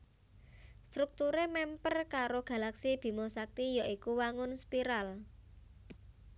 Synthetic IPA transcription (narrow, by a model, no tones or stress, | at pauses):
st̪ɾuk̚t̪uɾemɛmpərkaɾoɡ̥ä̤laksib̥i̤mosak̚t̪ijaʔikuwaŋʊnspiɾal